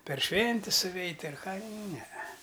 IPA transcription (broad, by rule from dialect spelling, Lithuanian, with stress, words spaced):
pʲɛr ˈʃʲʋʲɛnʲtʲɪs sʊˈʋʲɛɪtʲ ɐr ˈkɑː ˈnʲɛɛ